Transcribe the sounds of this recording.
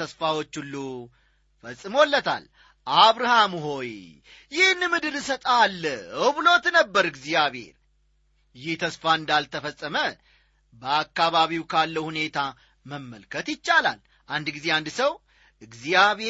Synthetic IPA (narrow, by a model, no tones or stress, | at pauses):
əsfawo̞t͡ʃːulːu | fəsʼːɨmo̞lːət̪ʰa̰l | ʔaβɾahamɦo̞j | jɪhɨnːɨmɨd̪ɨlɨsət̪ʼalːəɨwβɨlo̞t̪nəbːəɾɨɡzijaβhe̞̰ɾ | jɪht̪ʰəsfaɨnd̪alt̪ʰəfəsʼːəmə | bəakːaβaβiwkʰalːəwhune̞t̪ʰa | məmːəlkʰət̪jɪt͡ʃːala̰l | ʔand̪ɡize̞and̪səw | ʔɨɡzijaβe